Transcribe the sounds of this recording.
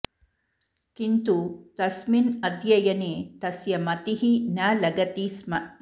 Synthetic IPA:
kint̪ut̪ɐsminɐd̪jɐjɐneːt̪ɐsjɐmɐt̪iɦinaːlɐɡɐt̪ismɐ

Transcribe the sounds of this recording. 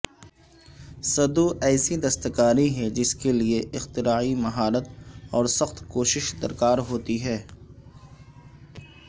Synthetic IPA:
sɐd̪uɛːsid̪ɐst̪əkaːɾiɦɛd͡ʒɪskelieɪxt̪ɪɾaːimɐɦaːɾət̪ɔːɾsɐxt̪koːʃɪʃd̪ɐɾkaːɾɦoːt̪iɦɛː

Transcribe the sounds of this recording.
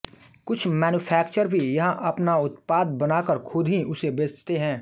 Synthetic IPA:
kʊt͡ʃʰmɛːnuːpʰɛːkt͡ʃəɾbʱijɐɦãʔɐpnaʊt̪paːd̪̚bɐnaːkəɾkʰʊd̪ʱɦiʔʊsebeːd͡ʒt̪eɦɛ̃ː

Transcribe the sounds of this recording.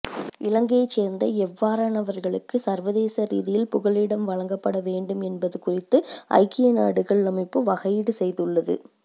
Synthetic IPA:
ʔɪlɐŋɡɐjɐɪt͡ʃːeːɾnd̪ɐɛʋːaːɾaːnɐʋɐɾɣɐɭɯkːɯsɐɾʋɐðeːsɐɾḭːðɪjɪlpʊɣɐɭɪɽɐmʋɐɻɐŋɡɐpːɐɽɐʋeːɳɖɯmɛnbɐðɯkʊrɪt̪ːɯʔɐ̰ɪkːɪjɐnaːɽɯɣɐɭnɐmɪpːɯʋɐɣɐjɪɽɯsɛjðɯɭːɐðɯ̰

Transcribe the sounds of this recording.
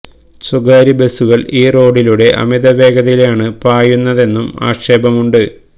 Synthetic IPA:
suɡaːɾibe̞suɣɐɭiːro̞ːɽiluɽe̞ʔɐ̰miðɐʋe̞ːɡɐðɐjilaːɳɨpaːjunːɐðe̞nːuma̰ːʂeːbɐmuɳɖɨ

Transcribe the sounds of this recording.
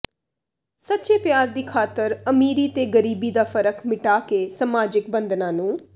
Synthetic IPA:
sətːʃeːpjaːɾd̪iːkʰaːt̪əɾəmiːɾiːt̪eːɡəɾiːbiːd̪aːfəɾəkmɪʈaːkeːsəmaːd͡ʒɪk̚bə̃nd̪nãːnũː

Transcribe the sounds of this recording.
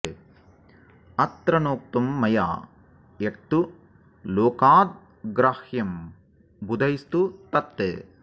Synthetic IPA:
ɐt̪ɾɐnoːk̚t̪umːɐja̰ː | ek̚t̪u | loːkaːd̪̚ | ɡɾaːhjɐm | bud̪ʱɐist̪ut̪ɐt̪ːḛː

